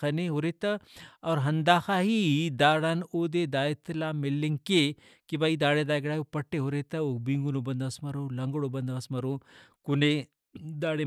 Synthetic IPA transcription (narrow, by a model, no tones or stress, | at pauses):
ɐneɦoɾet̪ɐɔːɾɦɐnd̪aːxaːɦid̪aːɽaːnod̪ed̪aːjt̪laːmɪlːeŋke | kibaid̪aːɽed̪aːjɡɽaːjopɐʈːeɦoɾet̪ɐobiŋɡunobɐnd̪ɐɐsmɐɾoːlɐŋɡəɽobɐnd̪aɐsmɐɾoː | kune | d̪aːɽe